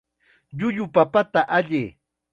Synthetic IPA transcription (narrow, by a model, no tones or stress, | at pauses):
ʎʊʎʊpapat̪aʔaʎɪ